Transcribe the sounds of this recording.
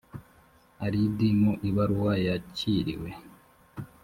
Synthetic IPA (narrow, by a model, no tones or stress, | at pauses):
aɾidimoʔiβaɾuwajaciɾḭwe